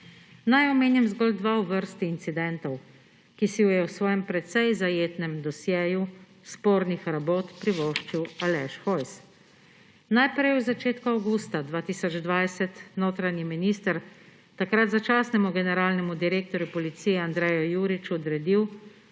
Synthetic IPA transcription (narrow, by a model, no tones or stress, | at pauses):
najɔmeːnjɛmzɡɔld̪ʋauʋəɾst̪iːnt̪sid̪ɛnt̪ɔw | kisiwjɛwsʋɔːjɛmpɾɛt̪sɛjzajeːt̪nɛmd̪ɔsjɛːju | spoːɾnixɾaboːt̪pɾiʋoːʃt͡ʃiwalɛʃxɔjs | najpɾɛjwzat͡ʃeːt̪kuawɡust̪ad̪ʋaːt̪iːsɔd͡ʒd̪ʋajsɛt̪noːt̪ɾanjiminiːst̪əɾ | t̪akɾat̪zat͡ʃaːsnɛmuɡɛnɛɾaːlnɛmud̪iɾeːk̚t̪ɔɾjupɔlit̪siːjɛand̪ɾɛːjɔjuːɾit͡ʃuɔd̪ɾɛd̪iw